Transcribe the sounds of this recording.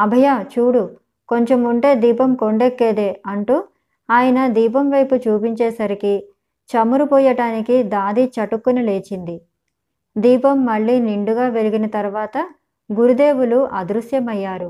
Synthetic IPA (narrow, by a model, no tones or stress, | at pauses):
ɐbʱɐjaːt͡ʃuːɽu | ko̞ɲt͡ʃemuɳʈe̞ːd̪iːpɐmko̞ɳɖekːeːd̪e̞ːɐɳʈuː | aːjɐnɐd̪iːpɐmʋɐjput͡ʃuːpiɲt͡ʃeːsɐɾiki | t͡ʃɐmuɾupɔːjɐʈaːnikid̪aːd̪it͡ʃɐʈukːunɐle̞ːt͡ʃind̪i | d̪iːpɐmːɐɭːiːniɳɖuɡaːʋe̞liɡinɐt̪ɐɾuʋaːt̪ɐ | ɡuɾud̪e̞ːʋuluʔɐd̪ɾusjɐmɐjːaːɾu